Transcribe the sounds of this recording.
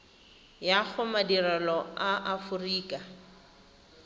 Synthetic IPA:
jaχʊmadiralɔaʔafʊriːkʼa

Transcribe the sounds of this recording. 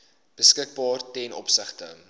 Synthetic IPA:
b̥əskək̚bɑːrtɛnɔ̰psəχtə̰

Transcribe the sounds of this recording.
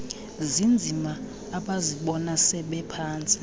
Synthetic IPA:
zind͡zʱimaː | ɓaziɓɔnasɛɓɛpʰaːnt͡sʼi̥

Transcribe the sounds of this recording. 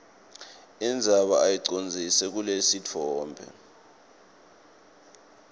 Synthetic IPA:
ind͡zʱaɓa̰ajiǀond͡zʱisɛk̬ulesit͡fʰɔːmbʱɛ̰

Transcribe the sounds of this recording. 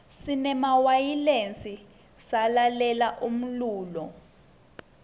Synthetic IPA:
sinɛmawajilent͡sʼi | salalɛlaʔum̩luːlɔ

